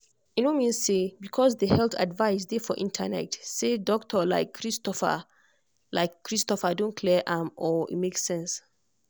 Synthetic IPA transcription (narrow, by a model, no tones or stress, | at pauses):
inomĩnssebikʰɔs̬dehɛltʰa̰dvaɪsdefɔʔĩntʰə̰nɛ̰tsedɔk̚tʰəla̰ɪkʰːɹistɔfə̰ | laɪkːɹistɔfədõnkʰlɛʔãmɔḭmeksɛ̃ns